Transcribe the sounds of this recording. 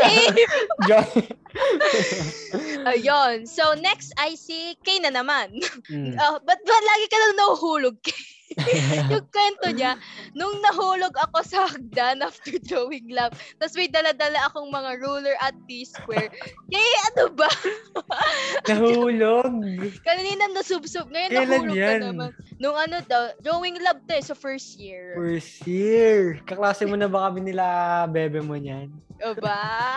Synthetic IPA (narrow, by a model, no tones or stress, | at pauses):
d͡ʒan | ʔɐjonsonɛkst̪ɐjsikɐjnɐnɐmanobɐt̪̚bɐlaːɡɪkɐnɐnɐhʊɦuːloɡ̚kɐj | jʊŋkwɛnt̪oɲanʊŋnɐɦuːloɡɐko̞sɐʔɐɡ̚d̪anʔaft̪ɛɹd̪ɾowɪŋlab̚t̪ɐsmɪjd̪ɐlad̪ɐlaʔɐkoŋmɐŋaɹuːlɛɹʔɐt̪̚piskwɛɹkɐjʔɐnobɐ | nɐɦuːloɡ̚kɐnniːnɐŋnɐsʊbsʊɡ̚ŋɐjokɛlanjaɐnɐmnnʊŋʔɐnot̪o̞d̪ɾoːwɪŋlɐb̚t̪osɐfɛɹst̪̚jɪɹfɛɹst̪jiɪɹkɐklaːsɪŋmonɐbɐkɐmɪnɪlaʔbɛːbɛmoɲanʔoba